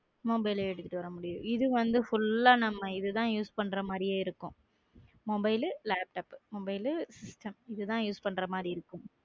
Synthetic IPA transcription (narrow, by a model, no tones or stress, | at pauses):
mɔbɐɪleɛɽɯt̪ːɪʈːɯʋɐɾɐmʊɽɪjʊ̃ɪðɯʋɐnd̪ɯfʊlːaːnɐmːɐɪðɯt̪ãːjuːspɐɳːɾɐmaːd̪ɾɪjeːɪɾɯkːʊ̃ | mɔbɐɪllaːp̚ʈaːpmɔbɐɪlsɪsʈɐmɪðɯt̪ãːjuːspɐɳːɾɐmaːd̪ɾiɪɾɯkːʊ̃m